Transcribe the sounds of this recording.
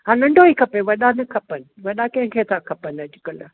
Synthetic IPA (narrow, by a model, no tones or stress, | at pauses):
ɦãnɐ̃ɳɖʱoiːkʰɐpeʋɐɗanɐkʰɐpənɪ̆ʋɐɗakɐ̃ɦɪ̃kʰet̪ʰakʰɐpənɐd͡ʑʊkɐl